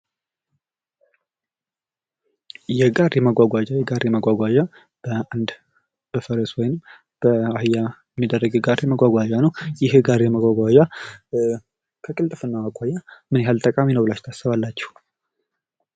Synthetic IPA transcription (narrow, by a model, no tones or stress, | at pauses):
jɛɡaɾjɛməɡʷaɡʷad͡ʒajɛɡaɾjɛməɡʷaɡʷad͡ʒa | b̥əand̪ | b̥əfəɾeswɔjnɨm | b̥əahɨjːamnɨd̪ərːəɡɛɡaɾjɛməɡʷaɡʷad͡ʒanəwjɪhɡaɾjɛməɡʷaɡʷad͡ʒa | kʰəkʼɨlt̪ʼɨfɨnːaməɡʷajamɨnjɦalt̪ʼəkʼaminəwlat͡ʃt̪ʰasɨβalːat͡ʃːɛ̥h